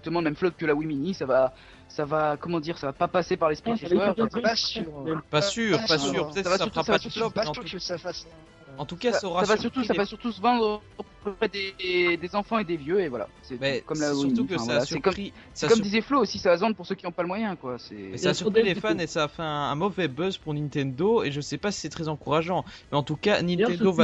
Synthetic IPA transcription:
zakt̪əmɑ̃əmɛmflɔt̪̚kəlawiminisava | savakɔmɑ̃d̪iʁsavapapasepaʁlɛspχiʒɛœʁasʁpasyːʁasyʁpət̪ɛt̪savasyʁasaasyʁlɔãəsafas | ɑ̃t̪ukasʁasavasyʁt̪usavasyʁt̪usəvɑ̃d̪ | pχəpʁɛd̪ed̪ezɑ̃fɑ̃ed̪evjøevwa̰la̰sɛmɛkɔmlasʁt̪ukəsaːsyɛkɔmχi | sakɔd̪izɛfloːsisavazɑ̃d̪puʁsøkʲiɔ̃paləmwajɛ̃kwasɛ̰ɛsaːsyʁpχilefanesaːfɛɛ̃ːmɔvɛbœzpuʁnĩnt̪ɛ̃nd̪oeʒəsɛpasi̥sɛt̪χɛzɑ̃kuʁaʒɑ̃mɛɑ̃t̪ukanĩnt̪ɛ̃nd̪ova

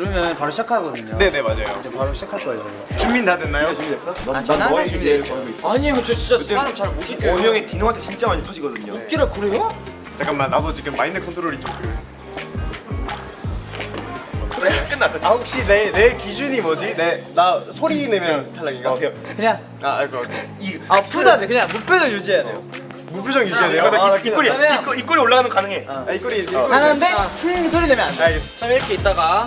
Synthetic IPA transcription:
kɯɾʌmjʌnpaɾoɕ͈ʰakʰaɡʌdɯɲone̞ne̞mad͡ʑajo̰d͡ʑepaɾoɕ͈akʰaɭk͈ʌ | t͡ɕumbindadwenːajjoumies͈ʌnt͡ɕaumiekʌɡoiaɲikɯt͡ɕʰot͡ɕint͡ɕ͈at͡ɕiaɾot͡ɕaɾoiomjʌŋetinoŋantʰet͡ɕint͡ɕ͈amaɲitʰod͡ʑiɡʌdɯɲook͈eɾɯkuɾejo | t͡ɕak͈ammanabot͡ɕiɡɯmmainːɯkʰʌntʰoɾoɾid͡ʑokɯe | kɯɾek͈ɯnːas͈ʌahok̚ɕ͈inene̞kid͡ʑuɲimʌd͡ʑine̞nasʰoɾine̞mjʌntʰaɭːaɡik͈asʰejokɯɲaŋ | aaɭɡʌiapudanekɯɲaŋmupʰjod͡ʑʌŋjud͡ʑianejo | mupʰjod͡ʑʌŋjud͡ʑianejokaioɾimik͈oik͈oɾioɭːaɣanɯnkanɯŋe̞aik͈oɾianannde̞kɯsʰoɾinemjʌnaɲaɡest͡ɕamiɾkʰe̞it͈aɡa

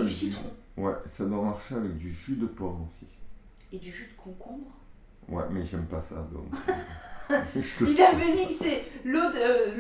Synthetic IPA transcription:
siiɔ̃ | wɛ̰sad̪wamaʁʃeavɛk̚d̪yʒød̪əpɔmosi | ed̪yʒyd̪əkʰɔ̃kɔ̃bʁ | wɛ̰mɛʒɛmpasa̰ːd̪ɔ̰ms | əilavənisɛlot̪ø

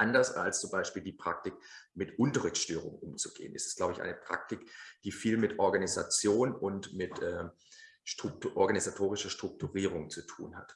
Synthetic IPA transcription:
ʔandɐsa̰lst͡sʊmbaɪʃpiːldiːpʁ̥ak̚tɪkmɪtʔʊntɐʁɪçtʃtøːʁʊ̰ŋʔʊmt͡su̥ɡ̥ḛːənʔɪstɛ̥stɡ̥laʊbəɪçʔa̰ɪnəpʁ̥a̰k̚tɪkd̥iːfiːlmɪtʔɔɐɡaniza̰t͡sjoːnʊntmɪtʔɛː | ʃtʁ̥ʊk̚tʔɔɐɡanizatʰoːʁ̞ɪʃɐʃtʁ̥ʊk̚tʰuʁiːʁ̞ʊŋt͡sutʰṵːnha̰t

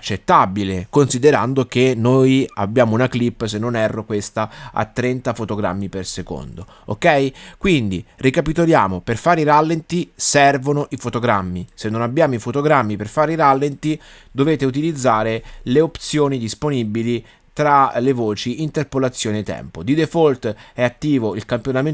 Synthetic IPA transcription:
at͡ʃːet̪ːabilekonsid̪eɾa̰nd̪ok̟enoja̰bːjaːmounaklipːsenːonɛrːokwest̪aa̰t̪ːɾɛnt̪afot̪oɡɾa̰mːiperseko̰nd̪o | o̰kːɛjkwind̪irikapit̪olja̰ːmoperfaːɾiɾalːent̪isɛrvonoʔifot̪oɡɾamːisenːonabːjaːmoifot̪oɡɾamːiperfaːɾeiɾalːent̪i | d̪oveːt̪eut̪ilid̪zːaːɾeleopt̪sjoːnid̪isponibili | t̪ɾalevoːt͡ʃiint̪erpolat̪sːjoːnet̪ːɛ̰mpod̪id̪efolt̪ɛat̪ːiːvoilkampjonamen

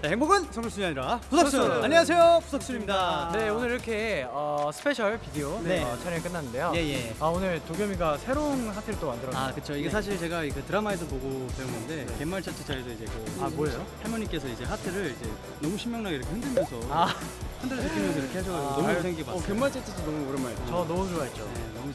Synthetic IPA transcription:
t͡ɕaheŋboɡɯnt͡ɕʌŋɡɯɭs͈uɲiaɲiɾapusʰʌsaɲːeas̬ʰe̞jopusʰʌk̚s͈uɾimɲidane̞onɯɾiɾʌkʰe̞ʌsʰɯ̥pʰe̞ɕʰʌɭpidioneneʌt͡ɕʰaɾjeek͈ɯnːanːɯndejoje̞jeaonɯɭtoɡjʌmiɡasʰe̞ɾonsʰatʰeɾɯɭt͈omandɯɾʌnakɯt͡ɕʰoiɡes̬ʰaɕ̬ʰiɭt͡ɕe̞ɡaikɯtɯɾamaes̬ʰʌpoɡotweɯnɡʌnde̞ke̞mːaɭt͡ɕ͈at͡ɕʰet͡ɕ͈aesʰʌid͡ʑe̞kɯabojʌjohaɭmoɲik͈e̞sʰʌid͡ʑe̞hatʰɯɾɯɭid͡ʑe̞ | nʌmuɕʰimjʌŋnaɡiɾʌkʰehɯndɯɭmjʌnsʰʌahɯndʰɯɾt͡ɕakʰimjʌns̬ʌiɾʌkʰehaɭɕ̬ʰʌɡaoomsʰeŋɡipaʌke̞mːaɭt͡ɕ͈at͡ɕʰesʰonʌmukɯɾʌnmat͡ɕʌnʌmuoaet͡ɕ͈o | u

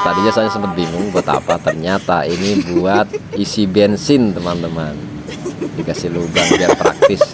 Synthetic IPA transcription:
t̪adiɲasaɲasəmpət̪̚biŋʊŋbut̪a̰pat̪ərɲat̪ainibuat̪̚isibɛnsɪnt̪əmant̪əman | ddikasilubaŋbiat̪̚pɾa̰k̚t̪ɪs

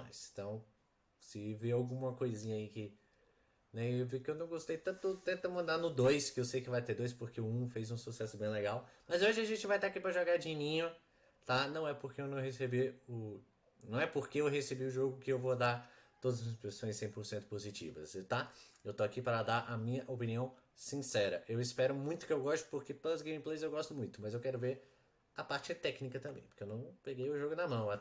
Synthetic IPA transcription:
ajst̪ɐ̃w̃ | sɪveawɡũmɐkojzĩɲɐikɪ | nɛewvikɪewnɐ̃w̃ɡost̪ejt̪ɐ̃t̪ʊt̪ẽnt̪ɐmɐ̃nd̪aɾnʊd̪ojskɪewsejkɪvajt̪eɾd̪ojs̬poɾkeʊũfejzũsusɛsʊbẽj̃leɡawmɐzoʒɪɐʒẽnt͡ʃɪvajt̪akipɾɐʒoɡad͡ʒĩɲĩɲʊ | t̪anɐ̃w̃ɛpoɾkeewnɐ̃w̃ɦesebiʊ | nɐ̃w̃ɛpoɾkeewɦesebiʊʒoɡʊkɪewvod̪aɾt̪od̪ɐzmspesõj̃sːẽj̃poɾsẽnt̪ʊ̥pozit͡ʃḭvɐst̪aewt̪oakipaɾɐd̪aɾʔɐmĩɲɐʔopĩniɐ̃w̃sĩsɛɾɐʔewɪspɛɾʊmũj̃t̪ʊkɪewɡɔst̪ʊ̥poɾket̪oɐzɡẽmiplejzewɡɔst̪ʊmũj̃t̪ʊmɐzewkɛɾʊveɾ | ɐpaɾt͡ʃɪt̪ɛknikɐt̪ɐ̃mbẽj̃po̥ɾkeewnɐ̃w̃peɡejʊʒoɡʊnɐmɐ̃w̃ɛ

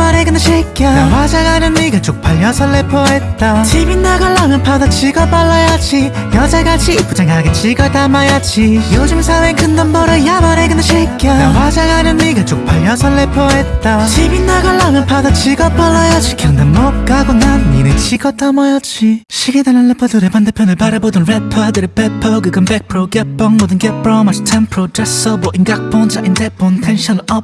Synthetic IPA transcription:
maɾeɡɯnɕʰik͈jawad͡ʑaŋɦanɯnːiɡat͡ɕok̚p͈ʰaʎːʌsʰʌɭːepʰʌɦet̚t͈at͡ɕibinːaɡaɭːamjʌnpʰadʌt͡ɕʰiɡʌp͈aɭːʌjad͡ʑi | jʌd͡ʑaɡat͡ɕʰip͈ud͡ʑeŋɦaɡet͡ɕiɡatamajat͡ɕʰijod͡ʑɯmsʰawenkʰɯndʌnbʌɾɯjamaɾeɡɯnɕʰik͈jawad͡ʑaŋɦanɯnːiɡat͡ɕok̚pʰaʎːʌsʰʌɭːepʰʌɦet̚t͈at͡ɕʰibinːaɡaɭːamjʌnpʰadʌt͡ɕʰiɡapʌɭːʌjʌt͡ɕʰikʰɯnd̪anmʌk͈aɡonainet͡ɕʰiɡʌt̪͈amajat͡ɕʰiɕʰiɡed̪anɯnɭepʰʌd̪oɾepand̪epʰjonɯɭpaɾebodɯnɾepʰʌdɯɾepepʰʌɡɯɡɯnbek̚pʰɯɾoɡep͈ːʌŋmodɯnɡepɾʌmasitʰempʰɾodɾes͈ʌboʔinɡak̚p͈ʌnd͡ʑaʔindep͈ːontʰenɕʰʌnɯɭʌp̚

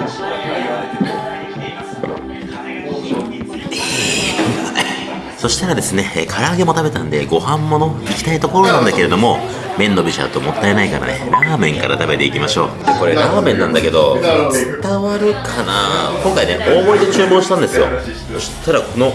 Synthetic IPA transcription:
so̞ɕi̥t̪aɾad̪e̞sɨne̞kʰaɾaːɡe̞mo̞t̪abe̞t̪ãnd̪e̞ɡo̞hãmːo̞no̞ikʲi̥t̪ait̪o̞ko̞ɾo̞nãnd̪ake̞ɾe̞d̪o̞mo̞ | mẽ̞nːo̞bʲiɕa̰t̪o̞mo̞t̪ːae̞naikaɾa̰neɾaːmẽ̞ŋkaɾa̰t̪abe̞t̪e̞ikʲimaɕo̞̰ː | ako̞ɾe̞ɾaːmẽ̞nːãnd̪ake̞d̪o̞̰t͡sɨ̥t̪aβaɾɯ̟kʰanakõ̞ŋkaineʔo̞ːbo̞id̪e̞t͡ɕɨːbo̞ːɕi̥t̪ãnd̪e̞sɨjo̞̰ | soɕi̥t̪aɾakʰo̞no̞

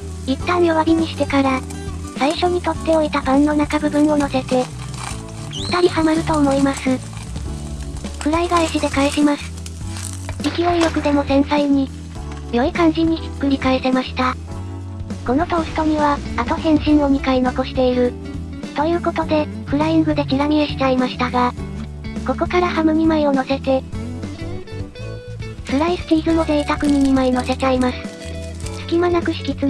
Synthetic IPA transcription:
it̪ːãɰ̃joβaɾʲiɲ̟iɕi̥t̪e̞kaɾa | saiɕo̞ɲ̟it̪o̞t̪ːe̞o̞it̪abãnːo̞nakabɯ̟bɯ̟̃ɰ̃o̞no̞se̞t̪e̞ | ɯ̥t̪aɾʲihamaɾɯ̟t̪o̞ːmo̞imasɨ | kɯ̟ɾaiɡaiɕid̪e̞kaeɕimasɨ̥ | ikʲio̞iɾʲo̞kɯ̟d̪e̞mo̞zẽ̞nt̪aiɲ̟i | jʲo̞ikãn̟d͡ʑiɲ̟i | kːɯ̟ɾʲikaese̞maɕi̥t̪a | ko̞no̞t̪o̞ːɕɯ̥t̪o̞ɲ̟iβaat̪o̞hẽ̞ɰ̃ɕĩnːo̞mʲikaino̞ko̞ɕi̥t̪e̞iɾɯ̟ | t̪o̞jɯ̟ːko̞t̪o̞d̪e̞ | ɸɯ̟ɾaiŋɡɯ̟d̪e̞kʲiɡamʲieɕi̥t̪aimaɕi̥t̪aɡa | ko̞ko̞kaɾahamɯ̟mʲimaio̞no̞se̞t̪e̞ | sɯɾaisɨ̥k̪ʲiːɡɯno̞d̪eit̪akɯ̟ɲ̟imʲimaino̞se̞t͡ɕaimasɨ̥sɨ̥kʲimanakɯ̟ɕi̥kʲit͡sɨ

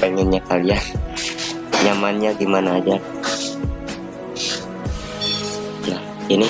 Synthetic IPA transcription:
ɛŋɛnɲakalia | ɲamanɲaɡimanaːd͡ʒa | nah | ini

